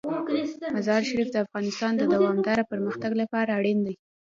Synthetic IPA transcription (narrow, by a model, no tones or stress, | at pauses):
mazɑɾʃaɾifd̪əafɣɑnɪst̪ɑnd̪əd̪awɑmd̪ɑɾapəɾməxt̪aɡlapɑɾaːɽind̪aj